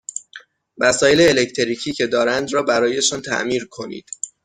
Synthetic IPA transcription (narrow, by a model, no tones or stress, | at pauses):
mæsɒːje̞leːlecʰt̪ʰeɾiːcʰiːcʰe̞d̪ɒːɾænd̪ɾɒːbæɾɒːje̞ʃɒnt̪ʰæ̰ʔmiːɾkʰo̞nḭːd̪̥